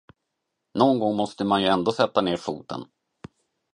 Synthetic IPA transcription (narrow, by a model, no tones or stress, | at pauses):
nɔnɡɔŋːmɔst̪əmanjɵɛnd̪oːsɛt̪ːaneːɾfuːt̪ə̰n